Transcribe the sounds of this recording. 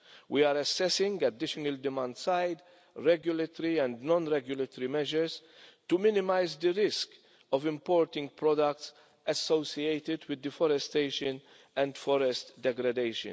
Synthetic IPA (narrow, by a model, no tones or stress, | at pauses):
wiaːɾɐsːɛsɪ̃ŋɡɐd̪ɪʃɔnəld̪ɪmãnd̪sajd̪ | ɾɛɡjʊlɛt̪ɔɾiɛ̃nd̪nɔ̃nɾɛɡjʊlət̪ɔɾimɛʒəɾs | t̪umɪnɪmaɪzd̪əɾɪsk | ɔvɪ̃mpɔːɾt̪ɪ̃ŋɡ̚pɾɔd̪ɐk̚t̪s | ɐsːoʊsiejt̪ɪd̪wɪd̪ːəfɔɾɛst̪eɪʃə̃n | ɛ̃nd̪fɔɾɛst̪d̪ɛɡɾɐd̪eɪʃə̰̃n